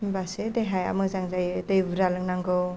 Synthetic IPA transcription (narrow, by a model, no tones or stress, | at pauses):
basedejɦaja̰mɯk̚zaŋzajdɯjbuɾalɯŋnaŋɡɯw